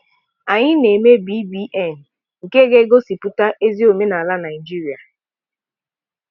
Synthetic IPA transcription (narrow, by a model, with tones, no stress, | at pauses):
a˨ɲɪ˦ne˨me˦bi˦bi˦ʔɛ˦˨n̩˨ | ŋ̩˨ke˦ɡe˦ɡo˦si˨pu˦ta˦ʔe˦zi˦o˨me˦na˨la˦na˨ɪ˨d͡ʒi˦ɾi˨a˨